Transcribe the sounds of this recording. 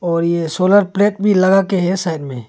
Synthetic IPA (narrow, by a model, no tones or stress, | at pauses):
ɔːɾjesoːləɾpleːʈ̚bʱilɐɡakeɦɛsaːɪɖmḛ̃ː